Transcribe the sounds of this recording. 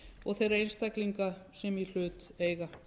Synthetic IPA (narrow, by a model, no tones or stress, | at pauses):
ɔɣθejraejnst̪akliŋkasɛmil̥ʏːt̪eːjɣa